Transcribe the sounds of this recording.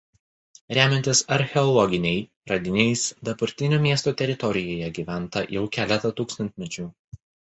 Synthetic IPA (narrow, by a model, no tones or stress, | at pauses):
ɾʲæːmʲɛnʲt̪ʲɪsɐɾʲxʲɛɔlˠɔɡʲɪnʲɛɪ | ɾɐd̪ʲɪnʲɛɪsd̪ɐbɐɾʲt̪ʲɪnʲoːmʲiɛst̪oːt̪ʲɛɾʲɪt̪ɔɾʲɪjoːjɛɡʲiːʋʲæˑnt̪ɐjɛʊkʲæːlʲɛt̪ɐt̪uːkst̪ɐnʲt̪ʲmʲɛt͡ʃʲuː